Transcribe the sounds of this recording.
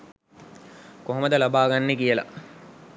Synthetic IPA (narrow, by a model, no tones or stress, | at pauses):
koɦoməd̪əlabaːɡanːekijəla̰